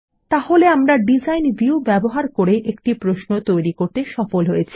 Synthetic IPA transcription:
t̪aholeamɾaɖid͡ʑajnviubɛboɦaɾkoɾeʔekʈipɾoʃnot̪ojɾikoɾt̪eʃɔfolɦojet͡ɕʰi̥

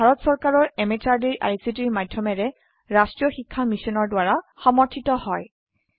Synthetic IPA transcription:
bʱaɹɔtsɔɹkaɹɔɹɛmɛtʰaɹdiɹʔa̰jsitiɹmadʱjɔmɛɹɛ | ɹastɹijɔxikʰːamisɔnɔɹdwaɹaxɔmɔɹtʰitɔhɔj

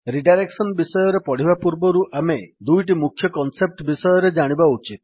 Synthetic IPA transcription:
ɾiɖajɾeksɔnbisɔjɔɾepɔɽ̤ibapuɾbɔɾuʔʔamed̪ujʈ̬imukʰːjɔkɔnsep̚ʈbisɔjɔɾed͡ʒaɽ̃ibaut͡ʃit̪̚

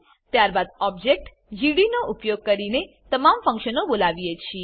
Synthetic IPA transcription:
t̪jaɾbad̪ɔb̚d͡ʒek̚ʈ | d͡ʒiɽinoʔupjoɡ̚kəɾine | t̪əmamfə̃ŋkʃənobolaʋijet͡ʃʰi

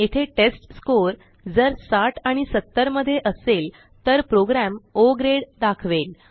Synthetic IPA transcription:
et̪ʰeʈesʈskoɾ | d͡zəɾsaʈʰaɽ̃isət̪ːəɾməd̪ʱːjeʔəsel | t̪əɾpɾoɡɾæmoɡɾeɽd̪akʰʋel

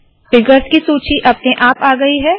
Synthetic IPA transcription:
fɪɡəɾskisuːt͡ʃiʔɐp̚neʔaːpaːɡɐiɦɛː

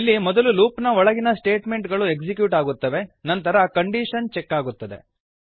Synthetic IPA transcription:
ilːimɔd̪ɐluluːpnɐɔɭɐɡinɐsʈe̞ːʈme̞ɳʈɡɐɭueɡsikjuːʈaːɡut̪ːɐʋe̞nɐnt̪ɐɾɐkɐɳɖiːʂɐnt͡ʃɛkːaːɡut̪ːɐd̪e̞̰

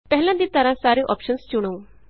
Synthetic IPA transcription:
pɛɦlãd̪it̪ɐɾãsaːɾiʔɔ̰ːpʃənst͡ʃʊɽ̃oũ

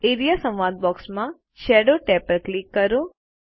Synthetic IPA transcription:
eɾijasə̃mʋad̪̚bɔksmã | ʃɛɖoʈɛpəɾklikːəɾũ

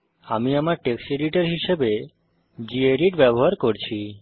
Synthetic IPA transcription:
amiamaɾʈekseɾiʈeɾɦiʃebe | d͡ʑieɾiʈbɛboɦaɾkoɾt͡ɕʰi

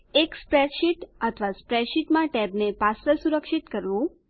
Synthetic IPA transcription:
ekspɾɛʃiʈət̪ʰʋaspɾɛʃiʈmãʈɛbnepasɾəsuɾəkʃit̪kəɾʋũ

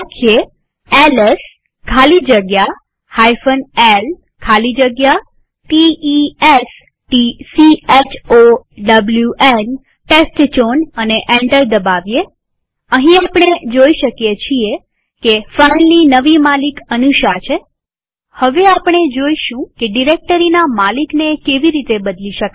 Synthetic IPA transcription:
kʰje | eles | kʰalid͡ʒəɡja | hajfənel | kʰalid͡ʒəɡja | ʈiies | ʈisiet͡ʃʰoɖəbljuʔen | ʈesʈt͡ʃonəneʔɛ̃ɳʈəɾd̪əbaʋje | əɦĩapɽ̃ed͡ʒoiʃəkjet͡ʃʰie | kefainlinəʋimalikənuʃat͡ʃʰe | həʋeapɽ̃ed͡ʒoiʃũkeɖiɾek̚ʈəɾinamaliknekeʋiɾit̪ebəd̪liʃək

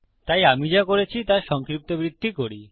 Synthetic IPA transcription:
t̪ajamid͡ʑakoɾet͡ɕʰit̪aʃɔŋkɾip̚t̪obɾid̪ʱːikoɾi

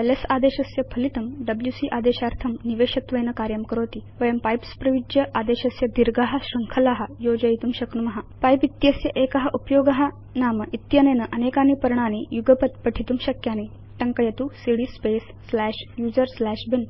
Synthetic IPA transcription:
elesad̪eɕɐsjɐpʰɐlit̪ɐmɖɐbljuːsiʔaːd̪eːɕaɾt̪ʰɐmniʋeːɕɐt̪ʋɐjnɐkaɾjɐmkəɾoːt̪iːʋɐjɐmpajpspɾɐʋid͡ʑjɐʔad̪eɕɐsjɐd̪iɾɡaɦɐɕɾɐŋkʰɐlaɦajod͡ʑɐjit̪uːmɕɐknumɐɦapajpit̪jɐsjɐʔekɐɦɐʔupjoːɡɐɦa | naːmɐʔit̪jɐnenəʔɐnekaːnipɐɾɳ̃aːnijuɡəpət̪pəʈʰit̪uːmɕɐkjane | ʈɐŋkɐjɐt̪usiɽispesːlæɕjuːd͡zəɾslæɕbin

